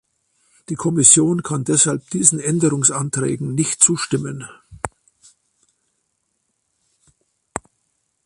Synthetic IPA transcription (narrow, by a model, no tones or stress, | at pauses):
d̥iːkʰɔmɪsjoːnkʰandɛshalp̚d̥iːzn̩ʔɛndəʁʊŋsantʁ̥ɛ̰ːɡŋ̩nɪçtt͡suːʃtɪmən